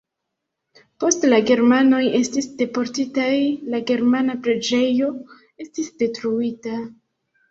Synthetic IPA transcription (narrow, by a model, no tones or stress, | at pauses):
po̞stlaɡe̞ɾmano̞je̞stisd̥e̞po̞ɾtitajlaɡe̞ɾmanapɾe̞d͡ʒe̞jo̞ | e̞stisde̞tɾuita